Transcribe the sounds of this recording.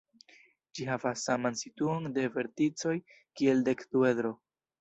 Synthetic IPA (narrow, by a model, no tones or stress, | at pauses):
d͡ʒiɦavasːamansituonde̞ve̞ɾtit͡so̞j | kie̞lde̞ktue̞dɾo̞